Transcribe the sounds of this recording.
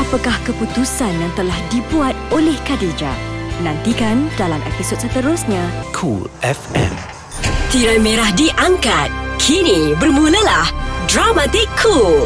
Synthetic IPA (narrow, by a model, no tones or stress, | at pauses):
ʔapakahkəput̪usanjaŋt̪əlahdibuat̪̚olɛhkaded͡ʒa̰nãnt̪ikandalamʔɛ̰pisot̪̚sət̪əɾʊsɲãkʰṵlʔɛfɛ̰̃m | t̪iɾəmeɾahdiʔaŋkat̪̚kʰinibərmũləlahdɾamat̪ɪkʰːul